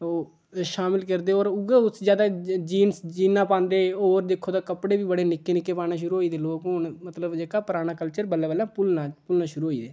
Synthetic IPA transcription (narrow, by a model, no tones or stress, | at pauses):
oː | ʃaːmɪlkəɾd̪eːoːɾʊɡeʊsd͡ʒjaːd̪aːd͡ʒiːnsd͡ʒiːnãːpãːnd̪eːoːɾd̪eːkʰːoːt̪aːkəpɽeːʋiːbəɽeːnɪkːeːnɪkːeːpaːñaːʃ̬ʊɾuːɦoːiːd̪eːloːkɦʊnmət̪ləbd͡ʒeːkaːpəɾaːɽ̃aːkəlt͡ʃəɾbəlːaːbəlaːpʊlnaːpʊlnaːʃʊɾuːɦoːiːd̪eː